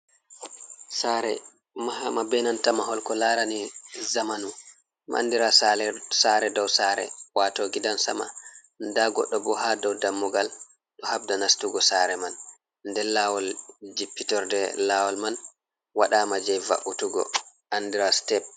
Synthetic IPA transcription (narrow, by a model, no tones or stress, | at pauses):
saɾɛ̰ | mahamabɛnantamaɦɔlkɔlaɾanizamanu | mʔa̰ndiɾasaɾɛdɔwsaɾɛ̰watɔɡidansa̰ma̰ | ndaɡɔ̰ɗːɔbɔɦadɔwdamːɔɡal | ɗɔhabdanastuɡɔsaːɾɛman | ndɛlawɔld͡ʒipːitɔɾdɛ̰laːwɔlman | waɗaːmad͡ʒajva̰ʔutuɡɔ̰ʔandiɾastɛb̚